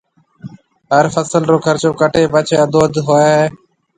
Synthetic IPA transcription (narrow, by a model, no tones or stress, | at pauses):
ɦəɾfəsəlɾoːkʰəɾt͡ʃoːkəʈʰeːpət͡ʃʰeːəd̪ʱoːəd̪ɦoːeː